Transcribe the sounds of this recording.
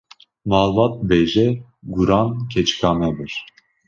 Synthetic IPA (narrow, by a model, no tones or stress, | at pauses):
mɑːlvɑt̪̚bɛʒɛ | ɡuɾɑnkʰɛt͡ʃkʰɑmɛbɨɾ